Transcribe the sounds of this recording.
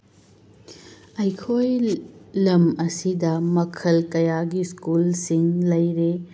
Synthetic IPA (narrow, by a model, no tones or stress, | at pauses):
ɐjkʰojlɐmɐsidɐmɐkʰɐlkɐjaɡiskulsiŋlɐjɾe